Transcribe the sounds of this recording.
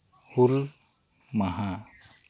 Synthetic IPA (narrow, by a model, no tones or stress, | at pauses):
hul | maɦa